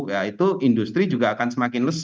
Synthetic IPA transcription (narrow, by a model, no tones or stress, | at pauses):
kjait̪uʔindust̪ɾid͡ʒuɡaːkansəmakɪnləs